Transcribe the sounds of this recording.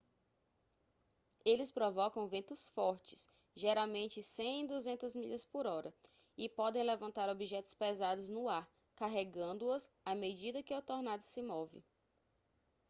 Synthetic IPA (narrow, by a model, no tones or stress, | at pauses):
elɪspɾɔvɔkɐ̃w̃vẽnt̪ʊsfɔɾt͡ʃɪ̥s | ʒeɾawmẽnt͡ʃɪsẽĩd̪uzẽnt̪ɐzmiʎɐspʊɾɔɾɐ | ɪpɔd̪ẽj̃lɛvɐ̃nt̪aɾobiʒɛt̪ʊ̥spezad̪ʊznʊaɾ | kaɦeɡɐ̃nd̪ʊɐsamed͡ʒid̪ɐkɪat̪oɾnad̪ɐsɪmɔvɪ̰